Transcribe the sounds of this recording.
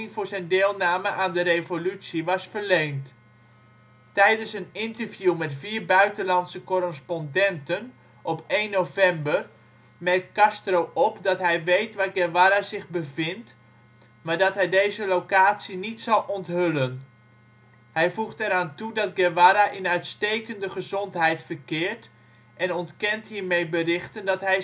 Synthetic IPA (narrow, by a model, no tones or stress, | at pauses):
ɪŋvʊːɹzɛjndɪːlˠnaːməʔaːndərejvolytsiʋɑsfərlejnt | tɛjdənsənɪntərvjumɛtfiːrbœɥtənlɑntsəkɔrəspɔndɛntən | ʔɔpejnːowvɛmbər | mɛkɑstrowʔɔpdɑtɦɛjʋejtʋaːɡɛʋaɾazɪχbəvɪnt | maːɹdɔtɦɛjdejzəlowkaːtsinitsɑlˠʔɔntɦʏlən | hɛjvuχtɛɾaːntudɑt̚ɡɛʋaɾaʔɪnœɥtstejkəndəχəzɔntɦɛjtfərkɪːɹt | ʔɛnɔntkɛntɦiːɹmejbərɪχtəndɑtɦɛj